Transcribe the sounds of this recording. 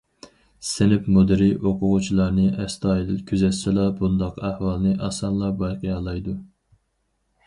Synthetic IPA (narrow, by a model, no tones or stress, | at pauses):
sɪnɪpmud̪ɪɾiʔoqʊʁʊt͡ʃʰilˠɑɾnɨʔɛst̪ʰɑːjilɪlkʲʰyzɛt̪sɪlɑbund̪ɑqʰæhwɑlˠnɨʔɑsɑnlˠɑbɑjqʰɨjɑlˠɑjd̪u